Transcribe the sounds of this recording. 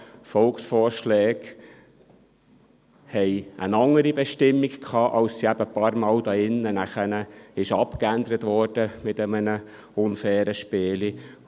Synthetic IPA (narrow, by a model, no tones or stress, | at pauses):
fɔlksfɔːɾʃlɛːɡ̥ | hɛɪʔə̰nɑŋːəɾibɛʃtɪmːikkʰɑːʔɑlsːiæb̥əpɑːɾmɑːld̥̪ɑɪnːənæχənəɪʃɑpkænd̪əɾət̪vʋɔːɾd̥əmɪtəmənə | ʊnfɛːɾəʃpeːli